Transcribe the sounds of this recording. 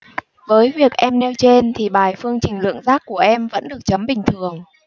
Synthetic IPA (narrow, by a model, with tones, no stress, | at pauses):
vəː˨˦jvi˨˩ək̚ʔɛ˧mnɛ˧wt͡ɕe˧nt̪ʰi˨˩ɓaː˨˩jfɨ˧əŋt͡ɕï˨˩ŋ̟lɨ̰˧˨əŋzaː˦˥k̚ːu˧˩əʔɛ˧mvə̰˧˥nɗɨ˨˩ək̚t͡ɕə˨˦mɓï˨˩ŋ̟t̪ʰɨ˨˩əŋ